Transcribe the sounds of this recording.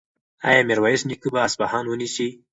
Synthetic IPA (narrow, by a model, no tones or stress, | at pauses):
a̰jɑmeɾwɑjiʃnikubaːsbahɑnwənisi